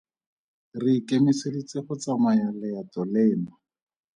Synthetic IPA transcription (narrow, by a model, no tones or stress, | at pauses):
rikemisedit͡sɪχɔt͡samajalɛjatɔlɛːna